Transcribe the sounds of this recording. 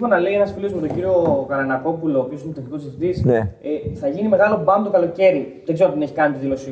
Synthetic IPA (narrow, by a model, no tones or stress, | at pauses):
xo̞nɐle̞ie̞nɐsfiliozmet̪o̞ɲɟiɾio̞kɐɾɐnɐko̞puloːpioinet̪eknikosiθit̪isneθɐʝinime̞ɣɐlo̞bɐmt̪o̞kɐlo̞ce̞ɾiðeɡzeɾoðene̞çi̥kɐnit̪iðilo̞si